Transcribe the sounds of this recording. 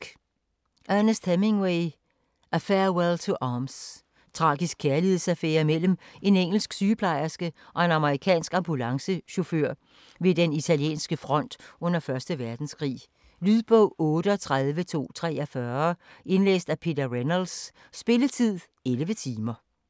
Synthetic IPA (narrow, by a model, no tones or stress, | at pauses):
ɡ̥ | ʔænəsd̥hæme̝ŋweɪ | ʔæfɛɐwelt͡sʰoʔɑːms | t͡sʰʁɑ̈ːɡ̥isɡ̥̚kʰæɐlihe̝ðˠsæfeːɐimel̰m̩e̝neŋ̰l̩sɡ̥syːpʰlɑ̈ɪɐsɡ̥əʔɒ̽e̝nɑ̈məʁikʰɛ̰ːnsɡ̥ɑ̈mb̥ulɑ̈ŋsəɕo̝føɐ̰ | ʋe̝d̥enit͡sʰæljḛːnsɡ̥əfʁɒ̽n̰d̥ɔ̽n̰ɐfɶɐsd̥əʋæɐd̥n̩skʰʁḭː | lyðˠb̥ɔʊ̰ɔ̽ːɾ̥əɒt͡sʰʁaðˠʋət͡sʰo̝̰ːt͡sʰʁɛ̰ːɐfɶːɐʔe̝nlḛːsd̥æpʰe̝d̥ɐʁenɐlsː | b̥e̝lət͡sʰið̰ˠ | elʋət͡sʰiːmɐ